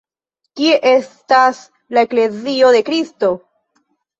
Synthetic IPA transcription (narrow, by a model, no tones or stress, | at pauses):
kie̞ʔe̞stas | lae̞kle̞zio̞de̞kɾisto̞